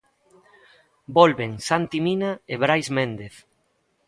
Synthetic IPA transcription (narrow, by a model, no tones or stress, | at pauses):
bɔlβeŋsant̪iminaeβɾajzmẽnd̪eθ